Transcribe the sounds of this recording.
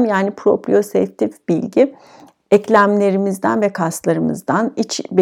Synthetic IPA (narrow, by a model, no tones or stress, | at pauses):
mjaːnipʰɾo̞pɾḭo̞sɛft̪ʰifb̥ilʲɟi | ɛclʲæmlʲe̞ɾimizd̪æ̰nvɛkʰast̪lˠaɾɯmɯ̰zd̪anit͡ʃb